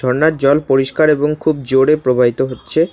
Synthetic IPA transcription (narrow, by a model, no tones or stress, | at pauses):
ɔɾnaɾd͡ʑɔlpoɾiʃkaɾeboŋkʰubd͡ʑoɽepɾobʱabit̪oɦotːɕʰe